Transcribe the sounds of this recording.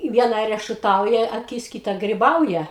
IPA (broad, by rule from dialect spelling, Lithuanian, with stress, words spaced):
ˈʋʲiɛnɐ rʲɛʃʊˈtɐʊjɛ ɐˈkʲɪs ˈkʲiːtɐ ɡrʲɪˈbɐʊjɛ